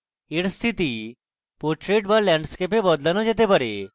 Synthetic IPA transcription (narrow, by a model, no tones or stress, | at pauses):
eɽst̪ʰit̪i | poɾʈɾeʈ̚baɾlɛɳɖskepebɔd̪lanɔd͡ʑet̪̬ebəɾe